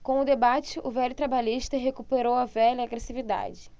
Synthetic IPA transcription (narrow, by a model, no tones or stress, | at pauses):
kõw̃ʊd̪ebat͡ʃɪʔʊvɛlʊt̪ɾabaʎiʃt̪ɐɦekupeɾowɐvɛlɐaɡɾesivid̪a̰d͡ʒɪ